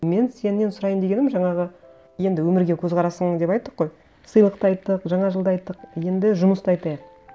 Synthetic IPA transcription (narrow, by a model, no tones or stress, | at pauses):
me̞nse̞nːensʊɾɑjəmd̪e̞ɡʲe̞nɪmʒɑɴɑʁə | je̞nd̪ɪwɵmɪɾɡʲe̞kʲʰɵzʁɑɾɑsəɴd̪epɑjt̪ːəqːo̞j | səjlˠəq̚t̪əɑjt̪ːəqʒɑɴɑʒəlˠd̪ɑjt̪ːəqje̞nd̪ɪʒʊməst̪ɑjt̪ɑjəq̚